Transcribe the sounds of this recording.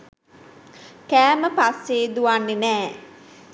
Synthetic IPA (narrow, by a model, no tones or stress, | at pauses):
kæːməpasːeːd̪uʋanːenɛː